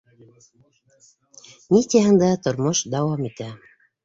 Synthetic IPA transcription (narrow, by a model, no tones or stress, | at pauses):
nʲit̪jɑɦɤ̆nd̪ɑt̪ŏɾmoʃd̪ɑwɑmit̪æ